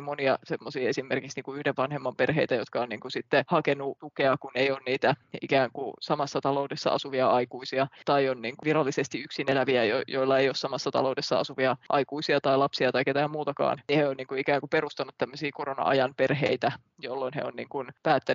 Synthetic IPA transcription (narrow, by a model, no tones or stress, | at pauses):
moniɑsemːosiːesimːerkiksniːkuyhdeʋʋɑnhemːɑmperɦeit̪æjot̪kɑonniːŋkusit̪ːehɑkenut̪ukeɑkunejoːnniːt̪æḭkæːŋkusɑmɑsːɑt̪ɑloudesːɑ̰ɑsuʋiɑɑikuisiɑt̪ɑionniːŋkuʋirɑlːisest̪iyksinelæʋiæjojoilːɑejoːssɑmɑsːɑt̪ɑ̰loudesːɑ̰ɑ̰suʋiɑʔɑ̰ikuisiɑt̪ɑilɑpsiɑt̪ɑiket̪æːmmuːt̪ɑkɑ̰ːnniheonniːŋkuikæːŋkuperust̪ɑnut̪t̪æmːøsiːkoronɑ̰ʔɑ̰jɑnperɦeit̪æ | jolːoinhḛonniːŋkunpæːt̪ːæ